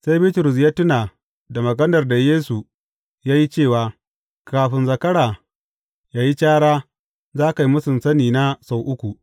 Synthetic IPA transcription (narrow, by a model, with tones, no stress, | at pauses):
sa˦jbɪ˦tʊ˨ɾʊ˨s̬jaː˦tʊ˦naː˨ | da˨mɐ˨ɡɐ˦nɐ˨rda˨jeː˦su˨ | jaː˦ji˦t͡ʃeː˦˨waː˨ | kaː˨ɸɪ˦nzɐ˨kɐ˦ɽaː˨ | jaː˦ji˦t͡ʃaː˦ɽaː˦ | zaː˦ka˨ji˦mʊ˦sɪ˨nsɐ˦niː˨na˦sa˨wʔʊ˦kʷu˨ʔ